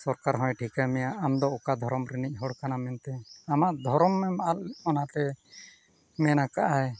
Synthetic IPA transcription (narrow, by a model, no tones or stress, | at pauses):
sɔɾkaɾɦɔ̃jʈʰikamɛjaʔamd̪ɔɔkad̪ʱɔɾɔmɾinic̚ˀɦɔɽkanamɛnt̪ɛamaʔd̪ʱɔɾɔmːɛmaalɔnat̪ɛ | mɛnakaʔaj